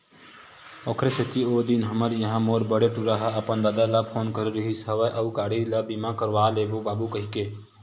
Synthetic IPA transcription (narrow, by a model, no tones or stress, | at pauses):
ɔːkʰɾeset̪iod̪inɦəməɾjəɦãmoːɾbəɽeʈuɾaɦəəpənd̪aːd̪aləpʰoːnkəɾɾəɦisəʋəʔəukaːɽiləbimãkəɾʋaːlebobaːbukəɦike